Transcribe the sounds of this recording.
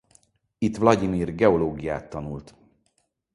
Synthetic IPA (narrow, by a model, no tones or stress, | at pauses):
it̪vlɒɟimiːrɡɛo̞loːɡijaːt̪ːɒnult̪